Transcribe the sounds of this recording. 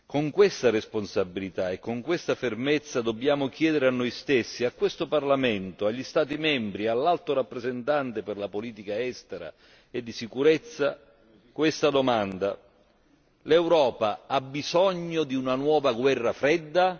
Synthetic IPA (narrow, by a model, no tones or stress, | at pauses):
koŋkwest̪aresponsabːilit̪aekːoŋkwest̪afermet̪sːad̪obːjaːmʊk̟jɛːd̪ɪɾeanːojst̪esːiakwest̪oparlamɛnt̪ʊaʎːist̪aːt̪̬imɛmbɾialːalt̪oɾapːɾezent̪ant̪epɪrlapoliːt̪ikaɛst̪eɾa̰ | ed̪ːisikuɾɛt̪sːa | kwest̪ad̪omand̪a | lɛwɾɔːpaabːizɔɲːod̪iunanwɔːvaɡwɛrːafɾɛd̪ːa